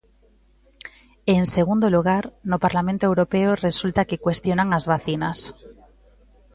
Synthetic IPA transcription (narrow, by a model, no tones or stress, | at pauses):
ense̞ɣ̞und̪oluɣ̞aɾnopaɾlamẽnt̪oewɾopeore̞sult̪akekwe̞st̪jonaŋazβaθinas